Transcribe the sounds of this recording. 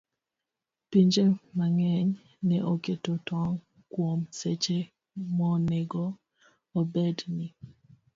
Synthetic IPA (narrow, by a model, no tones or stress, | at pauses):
piɲd͡ʒemaŋɛɲ | nɛʔoketotɔŋ | kwomset͡ʃe | mɔneɡɔː | bedni